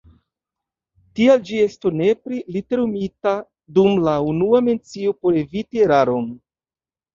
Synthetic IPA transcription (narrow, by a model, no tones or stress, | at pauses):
tiald͡ʒie̞stone̞pɾilite̞ɾumita | dumlaunuame̞nt͡sio̞po̞ɾe̞vitieɾaɾo̞n